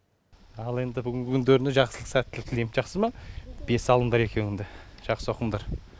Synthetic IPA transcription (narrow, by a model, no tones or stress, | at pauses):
ɑlˠe̞nd̪ɪbʏɡʲɪŋɡʲɪkʲʰʏnd̪eɾɪneʒɑqsəlˠəqsæt̪ːʰɪlk̪ʲʰɪlemʒɑqsəmɑb̥e̞sɑlˠənd̪ɑɾe̞kʲʰe̞nɪnd̪eʒ̥ɑqsəoqəmd̪ɑɾ